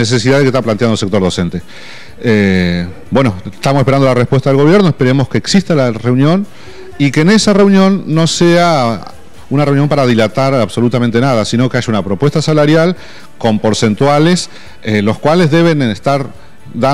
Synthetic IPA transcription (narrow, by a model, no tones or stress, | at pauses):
es̬esiðaðkest̪aplant̪jand̪ose̞k̚t̪o̞ɾðo̞se̞nt̪e̞ | e | bwe̞no̞st̪amosehpeɾand̪olarespwest̪aðeɣo̞β̞je̞ɾnoespe̞ɾe̞mo̞skeːksist̪alarewnjo̞n | ikeːnesare̞wnjõ̞nːo̞sea | unare̞unjo̞mpaɾað̞ilat̪aɾaβso̞lut̪ament̪e̞nað̞asino̞ke̞aʒaunapɾo̞pwest̪asalaɾjal | ko̞mpo̞ɾse̞nt̪wales | elo̞skwalezðe̞βenest̪aɾ | ða